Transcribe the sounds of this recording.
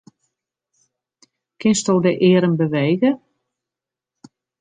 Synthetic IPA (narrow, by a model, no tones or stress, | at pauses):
kʰɪnstowdəʔɪːɾənbəʋeːɣə